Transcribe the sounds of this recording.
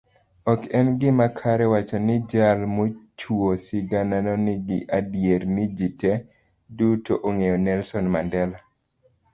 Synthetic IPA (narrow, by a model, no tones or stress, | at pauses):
ɔkɛnɡɪmakʰaɾɛwat͡ʃɔnɪd͡ʒalmot͡ʃuosɪɡananɔnɪɡɪʔadjeɾnɪd͡ʒitɛ | dutoʔoŋejɔnɛlsɔnmandɛla